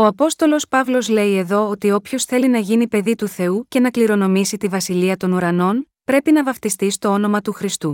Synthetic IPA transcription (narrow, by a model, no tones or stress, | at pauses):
o̞ɐpo̞st̪o̞lo̞spɐvlo̞zle̞ie̞ðo̞ot̪io̞pço̞sθe̞linɐʝinipe̞ðit̪uθe̞uce̞nɐkliɾo̞no̞misit̪ivɐsiliɐt̪o̞nuɾɐno̞n | pɾe̞pinɐvɐft̪ist̪ist̪o̞o̞no̞mɐt̪uxɾist̪u